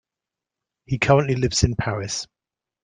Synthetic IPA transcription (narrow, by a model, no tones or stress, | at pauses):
hikʰʌɹə̃nʔlilɪvsɪ̃npʰaɹɪs